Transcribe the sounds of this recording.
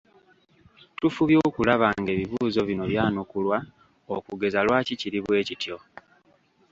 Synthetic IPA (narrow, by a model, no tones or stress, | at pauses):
tufuβjo̞ːkulaβaːŋɡe̞ːβiβuːzo̞βino̞βjaːnukulwa | okuɡe̞zalwaːciciɾiβwe̞ːcitjo̞